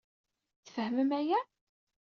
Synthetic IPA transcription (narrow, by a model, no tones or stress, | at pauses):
θə̥fhməmæjæ | θ